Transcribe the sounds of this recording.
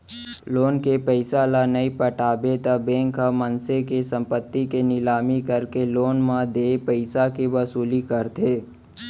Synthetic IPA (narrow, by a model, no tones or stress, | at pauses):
loːnkepəɪsalanɐipəʈaːbet̪abẽːŋkamənsekesə̃mpət̪ːikenɪlaːmikəɾkeloːnmãd̪eːpəɪsakeʋɐsuːlikəɾt̪ʰeː